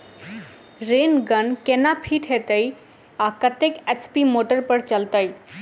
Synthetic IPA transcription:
ɾenɡənkenapʰiʈɦet̪əi | akət̪eket͡ʃpimoʈəɾpəɾt͡ʃəlt̪əj

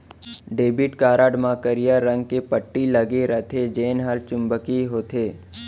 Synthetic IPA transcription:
ɖeːbɪʈkaːɾaːɖmãkəɾijaɾə̃ŋɡkepəʈːiləɡeɾət̪ʰed͡ʒeːnɦaːlt͡ʃʊ̃mbəkiɦoːt̪ʰeː

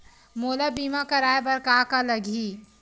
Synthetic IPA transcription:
moːlabiːmakɐɾaːebɐɾkaːkaləɡʱi

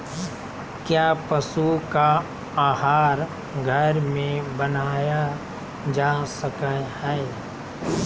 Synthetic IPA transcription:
kjaːpəsuka | aːɦaːɾ | ɡʱəɾmẽbənaːja | d͡ʒaːsəkəhɛ

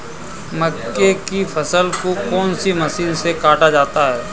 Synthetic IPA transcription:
məkːekifʰɐsəlkokɔːnsimɐsiːnsekaːʈad͡ʒaːt̪aɦɛː

